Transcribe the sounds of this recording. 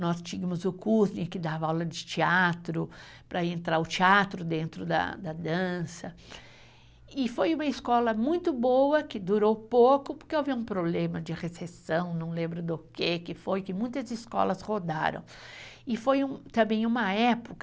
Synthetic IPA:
nɔst͡ʃiɡɐmʊzʊkuznɪ̃kɪd̪avɐawlɐd͡ʒɪt͡ʃiat̪ɾʊ | pɾɐẽnt̪ɾaɾʊt͡ʃiat̪ɾʊd̪ẽnt̪ɾʊd̪ɐ̰d̪ɐd̪ɐ̃sɐ | ɪfojũmɐɪskɔlɐmũj̃t̪ʊbowɐkɪd̪uɾowpokʊpʊɾkewaviũpɾoblẽmɐd͡ʒɪʁesesɐ̃w̃nɐ̃w̃lẽmbɾʊd̪ʊkekɪfojkɪmũj̃t̪ɐzɪskɔ̰lɐshod̪a̰ɾɐ̰̃w̃ɪfojũt̪ɐ̃mbẽj̃ũmɐɛpʊk

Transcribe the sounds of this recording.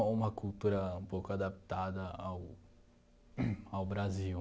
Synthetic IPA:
ũmɐkuwt̪uɾɐũpowkʊad̪apt̪ad̪ɐaw | awbɾazi

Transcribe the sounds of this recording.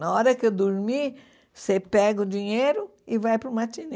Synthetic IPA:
ɐɔɾɐkɪewd̪oɾmi | sepɛɡʊd͡ʒiɲejɾʊ | ɪvajpɾʊmat͡ʃine

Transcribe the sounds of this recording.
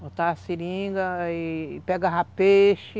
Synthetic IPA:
ot̪asiɾĩɡɐipɛɡɐɦapeʃɪ

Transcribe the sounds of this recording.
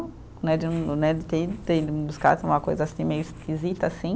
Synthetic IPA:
nɛd͡ʒɪ̃nɛdɪt̪et̪edɪbuska̰sẽũmɐkojzɐasĩmejʊiskʲizit̪ɐːsĩ

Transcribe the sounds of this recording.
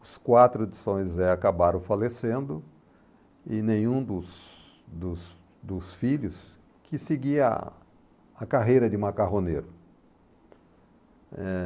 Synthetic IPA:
ʊskwat̪ɾʊd̪ɪsõj̃zɛakabaɾɐ̃w̃falesẽnd̪ʊ | ɪnẽj̃ũd̪ʊs | d̪ʊs | d̪ʊsfiʎʊs | kʰɪsɪɡiɐ̰ | akaɦejɾɐd͡ʒɪũmakaɦoneɾɐ | ɛ

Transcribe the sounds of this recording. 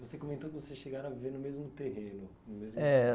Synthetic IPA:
vosekõmẽnt̪okɪvosesʃeɡaɾɐ̃aviveɾnʊmezmʊt̪eɦẽnʊ | nʊmezmɛ

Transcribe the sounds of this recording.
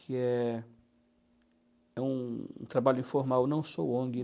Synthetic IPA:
kʰɪɛ | ɛṵ̃t̪ɾabaʎʊĩfoɾmawnɐ̃w̃sowõɡɪ

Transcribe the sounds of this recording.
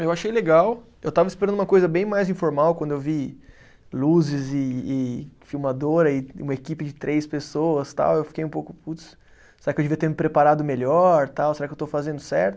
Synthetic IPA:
ewaʃejleɡaw | ewt̪avɐispeɾɐ̃d̪ũmɐkojzɐbẽj̃majzĩfoɾmawkʷwɐ̃nd̪ʊewvi | luzɪzɪː | fiwmad̪oɾɐɪũmɐekipɪd͡ʒɪt̪ɾʔejspesoɐst̪a̰wewfi̥kejũpowkʊput̪ | seɾakɪewd͡ʒɪviɐt̪eɾmɪpɾepaɾad̪ʊmeʎɔɾt̪awseɾakɪewt̪ofazẽnd̪ʊsɛ̰ɾt̪ʊ

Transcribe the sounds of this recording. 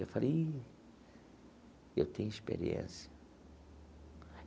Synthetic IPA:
efale | ewt̪ẽɲ̃ʊiʃpḛɾiḛ̃siɐ

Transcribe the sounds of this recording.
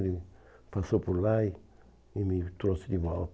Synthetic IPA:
ɾipasopoɾlai | imit̪ɾosid̪iβa

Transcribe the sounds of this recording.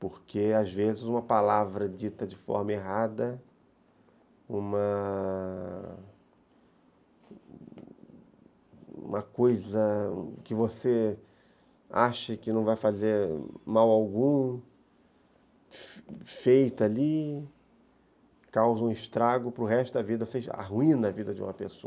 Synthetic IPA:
poɾkeazvezɪzũmɐpalavɾɐd͡ʒit̪ɐd͡ʒɪfɔ̰ɾmɐeɦad̪ɐ | ũmɐ | ṵ̃mɐkojzɐ̰̃kɪvose | aʃɐkɪnɐ̃w̃vajfazeɾmawawɡũ | fejt̪ɐali | kawzɐũɪʃt̪ɾaɡʊpɾʊɦɛʃt̪ʊd̪ɐvid̪ɐosea̰ɦuĩnɐvid̪ɐd͡ʒɪṵ̃mɐpeso

